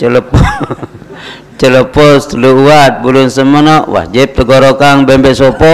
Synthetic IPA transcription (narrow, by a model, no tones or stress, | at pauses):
t͡ʃələp | t͡ʃələpɔst̪əluuat̪̚bulʊnsəmənɔʔwa̰d͡ʒip̚t̪əɡɔɾokaŋbɛmbɛʔsɔpɔ